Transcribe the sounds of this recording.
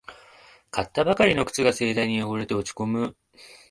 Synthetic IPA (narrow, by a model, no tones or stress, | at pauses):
kat̪ːabakaɾʲino̞kɯ̟̥t͡sɨɡase̞ːd̪aiɲ̟ijoboɾet̪e̞o̞t͡ɕi̥ko̞mɯ̟